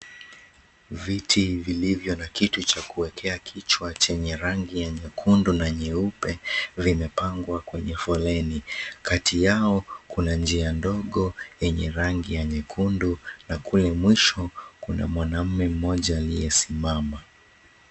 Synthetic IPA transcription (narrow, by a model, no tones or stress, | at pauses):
vitʰivilivjɔnakitut͡ʃakuwɛkʰɛakʰit͡ʃwat͡ʃɛɲɛɾaŋɡijaɲɛkʰundunaɲɛupɛvimɛpaŋɡwakwɛɲɛfɔlɛnikatijaɔkunand͡ʒiandɔɠɔjɛɲɛɾaŋɡijaɲɛkʰundunakulɛmwiʃɔkuna̰mwanam̩mɛm̩mɔʄaːlijɛsimama